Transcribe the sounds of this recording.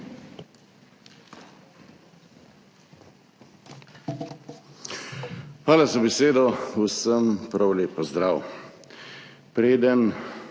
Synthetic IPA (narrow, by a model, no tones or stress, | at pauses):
xʋaːlazabɛseːd̪ɔusəmpɾawleːpɔzd̪ɾaːw | pɾeːd̪ən